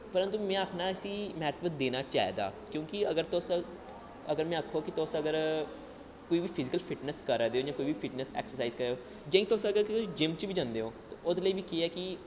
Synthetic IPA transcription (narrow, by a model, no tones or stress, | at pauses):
pəɾənt̪uːmɛ̃ːəpʰnaːəsĩːmɛːɾt̪ʰʋət̪̚d̪eːnaːt͡ʃaːḛːd̪a̰ːkjõːkɪəɡəɾt̪ʊs | əɡəɾmɛ̃ːəkʰːoːkɪt̪ʊsəɡəɾ | koːiːʋiːpʰɪzɪkəlpʰɪʈnəskəɾːd̪eːoːd͡ʒãːkoːiːʋiːpʰɪʈnəsɛ̰ːksəɾsaːiːzkəɾeːoː | d͡ʒə̃ĩt̪ʊsəɡəɾkːd͡ʒɪmt͡ʃbiːd͡ʒãːnd̪eːɦõːt̪ːʊd̪ləiːbiːkiɛːkɪ